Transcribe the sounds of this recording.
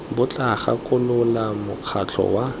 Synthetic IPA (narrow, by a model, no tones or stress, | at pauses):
bʊt͡ɬʼaχa̰kʼʊlʊlamʊq͡χʰat͡ɬʰɔ̰wa